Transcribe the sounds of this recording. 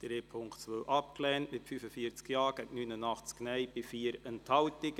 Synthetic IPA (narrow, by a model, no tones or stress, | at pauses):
d̪̥ɾeːpʰʊŋktt͡sʋœʔɑp̚klɛːntmɪtfyfəfiəɾt͡skjɑːɡ̥ɛɡnynənɑχt͡sknɛɪb̥ɪfiːəɾəntʰhɑwtɪk